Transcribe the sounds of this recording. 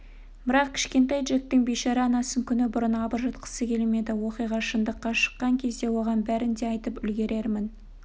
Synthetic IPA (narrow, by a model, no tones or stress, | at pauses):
bɪɾɑq̚kʲʰɪ̥ʃkʲe̞nt̪ɑjd̪ʒet̪̚ːɪŋbejʃɑɾɑɑnɑsəŋkʲʰʏnɪbʊɾənɑbəɾʒɑt̪qə̥səkʲʰe̞lme̞d̪ɪwo̞qijʁɑʃənd̪əqːɑʃə̥qːɑŋkʲʰe̞zd̪e̞wo̞ʁɑnbæɾɪnd̪e̞ɑjt̪əpʏlɡʲe̞ɾʔe̞ɾmɪn